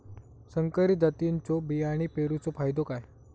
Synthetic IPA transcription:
səŋkəɾid̪at̪iɲt͡sobijaɽ̃ipeɾut͡sofajd̪okaj

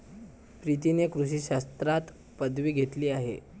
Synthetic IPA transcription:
pɾit̪̬inekɾuɕ̬iːɕast̪ɾat̪ | pəd̪ʋiːɡʱet̪liːaɦḛ

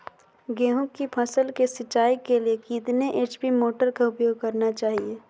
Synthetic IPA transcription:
ɡẽːɦʊ̃kipʰɐsəlkesɪt͡ʃːaːikeliekiːd̪neʔeːt͡ʃbʱimoːʈəɾkaʊpjoːɡ̚kɐɾnat͡ʃaːɦieː

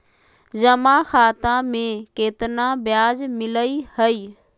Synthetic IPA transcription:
d͡ʑɐmaxaːt̪ãmẽkeːt̪ɪnãbɪjaːd͡ʑmɪləihɐiː

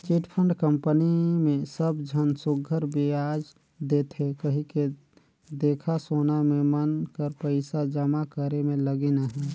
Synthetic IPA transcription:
t͡ʃiʈpʰəɳɖkəmpənimẽsəbd͡ʒʱənsʊɡʱəɾbʱiad͡ʒ | d̪et̪ʰɦekəɦike | d̪eːkʰasoːnamẽmənkəɾpəɪsad͡ʒəmakəɾemẽləɡenaɦɛː

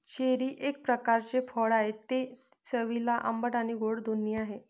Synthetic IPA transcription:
ɕeɾiːʔek̚pɾəkaɾt͡ɕefʰɔɭaɦet̪e | t͡səʋilaʔə̰mbəʈañiɡʱoɽd̪uniaɦe

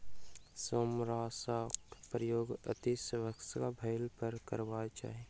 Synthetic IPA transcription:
somɾaːsakpɾəjoːɡə̰t̪isʋəksa̰bʱəɪlpəɾkəɾʋat͡ʃa̰ːɦe

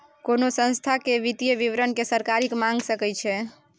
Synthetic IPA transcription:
konosə̃st̪ʰakeʋit̪ijəʋiʋɾənkesəɾkaɾikmãŋɡsəkɛjt͡ʃʰɛ

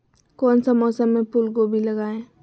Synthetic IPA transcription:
kɔːnsəmɔːsəmːẽpulɡobʱiləɡaːẽː

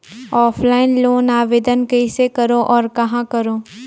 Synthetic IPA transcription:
ɔːpʰlaːɪnloːnaːʋeːd̪ənkəɪsekɐɾoʔɔːɾkɐɦãkɐɾoː

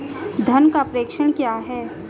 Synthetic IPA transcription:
d̪ʱɐnkapɾeːkʃəɽ̃kjaːɦɛː

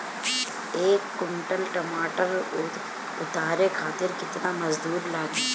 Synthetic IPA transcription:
eːkːʊnʈəlʈɐmaːʈəɾ | ʊt̪aːɾekʰaːt̪ɪɾkɪt̪namɐzd̪uːɾlaːɡ

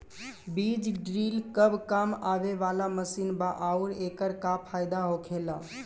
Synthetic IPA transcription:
bid͡ʒɖɾiːlkəbkamaʋeʋalaməsiːnbaʔauɾekəɾkapʰajd̪aɦokʰela

